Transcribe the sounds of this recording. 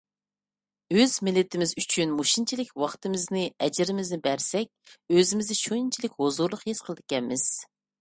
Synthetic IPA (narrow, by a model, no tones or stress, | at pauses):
øzmɪlːɪt̪ʰɪmɪzyt͡ʃʰynmuʃint͡ʃʰilɪkʲwɑχt̪ɨmɪznɪɛd͡ʒɪɾɪmɪznɪbæɾsɛk̚ʲøzɪmɪzd̪ɪʃuint͡ʃʰilɪkʲhozuɾlˠʊqjesqʰəlˠɨd̪ɪ̥kʲɛnmɪz̥